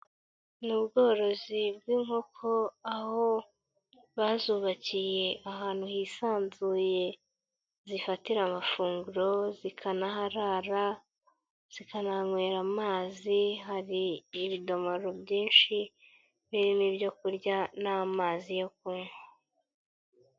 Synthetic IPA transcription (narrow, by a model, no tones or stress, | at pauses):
nubɡo̞ːɾo̞zibɡiːŋho̞kʰo̞aho̞ | βaːzuːβacije̞aɦaːn̥huhisaːnzuːje̞ | zifatiɾamafuːŋɡuɾo̞zikʰanaɦaɾaːɾa | z̥ikanaŋweːɾamaːziɦaɾiːβido̞moɾobjiːnʃi | βiɾinibjo̞kuɾɟanamaːzijo̞k̚uːŋo